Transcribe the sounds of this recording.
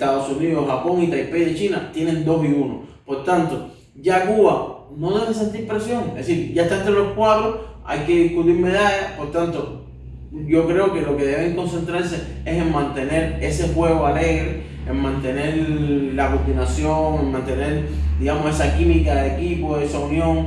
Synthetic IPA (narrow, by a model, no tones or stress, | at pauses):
t̪aðosuniðoxapo̞ŋit̪ajpejðet͡ʃinat̪jenẽ̞nd̪o̞siuno̞̰po̞ɾt̪ant̪o̞ | ɟ͡ʝakuβano̞ðeβes̬ent̪ihpɾesjo̞ŋðesiɾɟ͡ʝaeht̪aent̪ɾelo̞kwaðɾoa̰jkeðihkut̪̬iɾme̞ðaʝapo̞ɾt̪ant̪o̞ | ɟ͡ʝo̞kɾe̞oke̞lo̞ke̞ðe̞βeŋko̞nse̞nt̪ɾaɾs̬e̞e̞se̞ŋmãnt̪e̞ne̞ɾe̞se̞hwe̞ɣoale̞ɣɾe | eŋmãnt̪ene̞ɾlakut̪inasjoŋe̞ŋmãnt̪e̞ne̞ɾ | d̪iɣamose̞sakimikaðeekipo̞esaunjo̞ŋ